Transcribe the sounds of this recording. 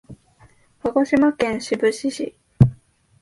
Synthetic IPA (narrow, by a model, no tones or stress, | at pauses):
haɡo̞ɕimakẽ̞ɰ̃ɕibɯ̟ɕiɕḭ